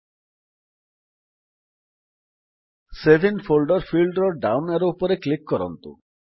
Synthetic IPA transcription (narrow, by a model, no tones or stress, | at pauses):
sebʱinfolɖoɾfilɖɾoɾɖawnaɾupoɾeklikːɔɾo̰nt̪ṵ